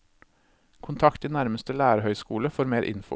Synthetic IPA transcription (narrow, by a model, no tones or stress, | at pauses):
kʰʊnt̪ʰɑkt̪iːnæɾməst̪əlæːɾəhœʏskuːləfoːɾmeːɾʔɪ̰nfʊ̰